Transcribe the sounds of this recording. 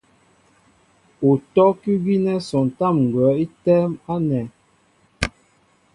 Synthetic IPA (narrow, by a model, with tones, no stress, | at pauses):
u˨tɔ˦kʉ˦ɡi˦nɛ˦sɔ˨n˨ta˦˨mŋ˨ɡwɛ˨˦i˦tɛ˦ma˦nɛ˨